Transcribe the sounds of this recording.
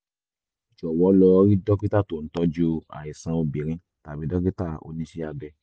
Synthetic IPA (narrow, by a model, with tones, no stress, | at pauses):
d͡ʒɔ˨wɔ˨˦lɔ˧ɾi˦dɔ˦ki˦ta˦˨to˨n̩˨˦tɔ˧d͡ʒo˦a̰˨i˨sã˧˦o˧bi˨ɾ̃ĩ˨˦ | ta˨bi˨˦dɔ˦ki˦ta˦˨o̰˧nĩ˦ʃe˦a˧ɡ͡bɛ˧